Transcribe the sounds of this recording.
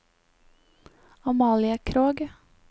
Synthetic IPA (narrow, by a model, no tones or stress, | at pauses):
ɑmɑːlɪəkʰɾoːɡ